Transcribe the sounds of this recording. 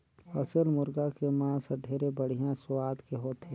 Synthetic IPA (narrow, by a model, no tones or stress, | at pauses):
əsəlmʊɾɡakemãːsəɖʱeːɾebəɽ̤ijãsʊwaːd̪keɦoːt̪ʰeː